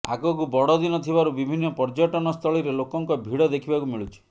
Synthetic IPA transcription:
a̰kɔkubɔɽɔd̪inɔt̪ʰibaɾubibʱinːɔpɔɾd͡ʒɔʈɔnɔst̪ʰɔɭiɾelokɔŋkɔbʱiɽɔd̪ekʰibakumiɭut͡ʃʰi̥

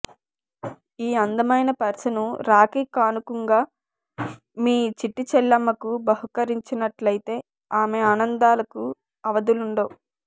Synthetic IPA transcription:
iːɐnd̪ɐmɐjnɐpɐɾsɐnuɾaːkikaːnukuŋɡaː | miːt͡ʃiʈːit͡ʃɛlːɐmːɐkubɐɦukɐɾiɲt͡ʃinɐʈlɐjit̪e̞ː | aːmeaːnɐnd̪aːlɐku | ɐʋɐd̪uluɳɖoː

